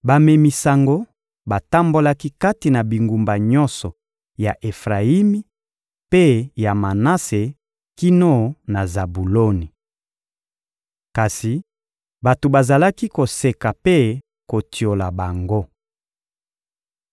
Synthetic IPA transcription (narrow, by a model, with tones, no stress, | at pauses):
ba˨me˨mi˨sa˨ŋɡo˦ | ba˨ta˦mbo˦la˦ki˦ka˦ti˨na˨bi˨ŋɡu˨mba˨ɲɔ̃˦nsɔ˨ | ja˨ʔe˨fʁa˨i˦mi˦ | pe˦ja˨ma˨na˦se˨ | ki˦no˦na˨za˨bu˨lo˦ni˨ | ka˨si˨ | ba˨to˨ba˨za˨la˦ki˦ko˨se˨ka˨pe˦ | ko˨ti˨o˨la˨ba˨ŋɡo˦